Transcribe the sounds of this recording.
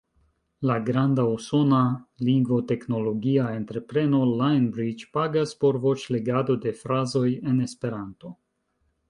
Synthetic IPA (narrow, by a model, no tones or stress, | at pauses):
laɡɾandauso̞naliŋɡvo̞te̞kno̞lo̞ɡiae̞ntɾe̞pɾe̞no̞lajnbɾid͡ʒpaɡaspo̞ɾvo̞t͡ʃle̞ɡado̞de̞fɾazo̞je̞ne̞spe̞ɾanto̞